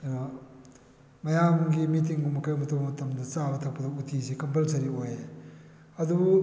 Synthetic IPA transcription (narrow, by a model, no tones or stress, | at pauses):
mɐjamɡimitiŋbumːɐkʰɐjmɐtupmɐtɐmdɐt͡ʃabɐtʰɐk̚pːɐdɐutʰisikɐmpelsɐɾioje | ɐdubu